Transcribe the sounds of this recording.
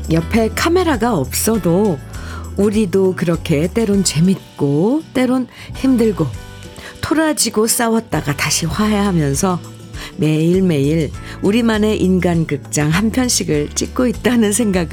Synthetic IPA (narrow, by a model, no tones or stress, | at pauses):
jʌpʰe̞kʰame̞ɾaɡaʌp̚s͈ʌdo | uɾidokɯɾʌkʰe̞t͈e̞ɾont͡ɕe̞mit̚k͈ot͈e̞ɾon | çimdɯɭɡo | tʰoɾad͡ʑiɡos͈awʌt̚t͈aɡataɕʰiɸwaɦe̞ɦamjʌnsʰʌ | me̞iɭme̞iɭuɾimane̞ʔinɡankɯk̚t͡ɕ͈aŋɦanpʰjʌnɕʰiɡɯɭt͡ɕ͈ik̚k͈oit̚t͈anɯnsʰe̞ŋɡaɡɯ